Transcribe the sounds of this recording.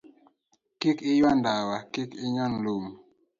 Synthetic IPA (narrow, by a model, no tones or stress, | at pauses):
kikɪjwɔndawakikɪɲɔnlom